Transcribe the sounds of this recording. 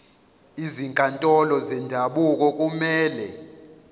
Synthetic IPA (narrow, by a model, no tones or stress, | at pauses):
iziŋkʼantʼɔlɔzɛndʱaɓuk̬ʼɔk̬ʼumɛːlɛ